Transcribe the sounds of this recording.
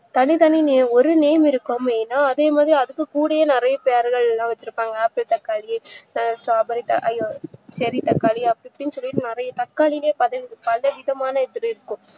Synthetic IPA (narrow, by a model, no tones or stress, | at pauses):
t̪ɐnit̪ɐnineɔɾɯneːmɪɾɯkːameːnːaːɐðeːmaːðɾiɐðɯkːɯkuːɽɐjenɪɾɐjɐpeːɾɣɐɭlãːʋɛt͡ʃːɪɾɯpːaːŋɡɐaːpːɪlt̪ɐkːaːlisʈaːbɐɾit̪ɐ̰ʔɐjoːsɐɾit̪ɐkːaːliɐpːɐɽɪpʈɪnːɯsɔlːɪʈɯnɪɾɐjɐt̪ɐkːaːlɪleːpɐðɐnpɐlɐʋɪðɐmaːnɐɛðɪɾɯɪɾɯkːʊ̃